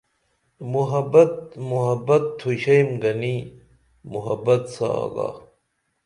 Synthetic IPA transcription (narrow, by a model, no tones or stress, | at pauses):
muɦɐbɐt̪̚muɦɐbɐt̪ʰːuɕɐjmɡɐni | muɦɐbɐt̪sa̰ɡa̰ː